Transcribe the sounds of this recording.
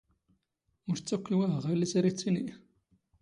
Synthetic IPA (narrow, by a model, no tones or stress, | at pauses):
ʊɾt͡sːækʷːiwæʁælisæɾit͡sːini